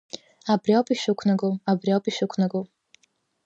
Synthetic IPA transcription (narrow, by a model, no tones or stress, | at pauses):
abriawpʰʼiʃʷᶣʊkʷʰnaɡoabriawpʼiʃᶣʊkʷʰnaɡo